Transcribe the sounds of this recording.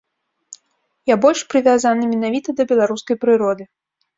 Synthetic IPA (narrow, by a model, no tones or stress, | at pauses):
jabɔlʲʂpɾɨvʲazanɨmʲɛnavʲit̪ɐd̪ɐbʲɛlˠaɾuskɐjpɾɨɾɔd̪ɨ